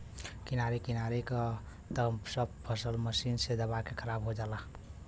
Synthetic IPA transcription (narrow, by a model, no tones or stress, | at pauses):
kinaɾekinaɾekə | t̪əsəb̚pʰəsəlməsinsed̪əβakekʰəɾabɦod͡ʒala